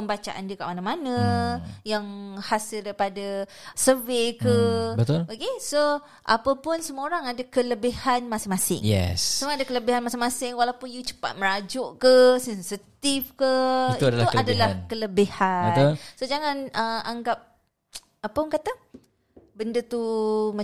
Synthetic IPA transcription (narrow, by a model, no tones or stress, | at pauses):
pəmbat͡ʃa̰ʔa̰ndəka̰ʔ̚manamanə̃jaŋhasɪldaɾipadasəvekəbət̪ʊlokeso | ʔa̰pəpʊnsəmuoɾaŋadakələbihanmasɪŋmasɪ̰ŋjɛ̰ssəmuadakələbiɦanmasɪŋmasɪŋwalawpʊnjut͡ʃə̥pa̰t̪̚məɾad͡ʒɔʔkəsɛnsit̪ifkəiuadaluadalahkələbihaənʊlsod͡ʒaŋanəaŋɡap̚ | apənkat̪a | bəndət̪uma